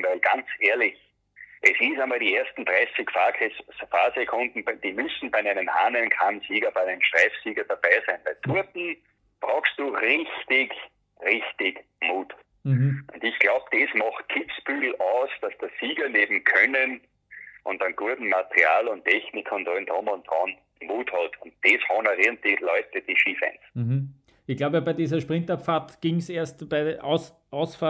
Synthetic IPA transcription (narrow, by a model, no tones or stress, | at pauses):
væɪlɡ̥ant͡sʔeːɐlɪç | ʔɛsɪsamaːldiːeːɐstn̩tʁɛɪsɪkfakʰɛssfaːsekʰʊ̃ndn̩bd̥iːmʏsn̩bæɪæɪnəmhaːnənkʰansiːɡɐb̥aɪæɪnəmʃtʁ̥ɛɪfsiːɡɐd̥ab̥æɪsæɪnv̥ɛɪtʰuɐtn̩ | b̥ʁaʊxst̚d̥uːʁɪçtɪç | ʁɪçtɪɡmuːt | ʔʊ̰̃ndɪçɡ̥laʊb̚d̥esmɑχt̚kʰɪpsb̥yːɡl̩aʊsd̥asd̥əsiːɡɐneːbm̩kʰœnən | ʔʊ̃ntɑ̃nɡ̥uɐdn̩matəʁia̰ːlʊntʰːɛçnɪkʰʊntʁɔndɔmɔnd̪̥ʁɑn | muːthɔltʰʊnt̚d̥eshɔnəʁɪn̚d̥ilɔʏtəd̥iːʃiːfɛ̰̃ns̩hm̩ | ɪçɡ̥laʊbəbæɪdiːzɐʃpʁɪ̃ntapfaɐtɡ̥iŋseːɐstb̥aɪʔa̰ʊs | ʔaʊsfa